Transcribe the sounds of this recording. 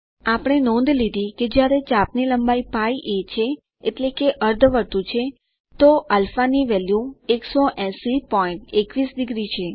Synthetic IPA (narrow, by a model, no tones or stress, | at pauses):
apəɽ̃enɔ̃nd̪lid̪iked͡ʒjaɾet͡ʃapniləmbaipaiʔet͡ʃʰeː | ʈlekeʔəɾd̪ʱʋəɾt̪ũt͡ʃʰe | t̪oʔalfaniʋɛljũeksoʔɛ̃sipɔĩɳʈekʋisd̪ɪɡɾit͡ʃʰe